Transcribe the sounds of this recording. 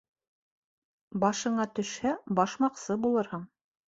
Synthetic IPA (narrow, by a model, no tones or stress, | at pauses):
bɑʃɤ̆ɴɑt̪ɵ̆ʃhæbɑʃmɑqsɤbulˠɤɾhɤɴ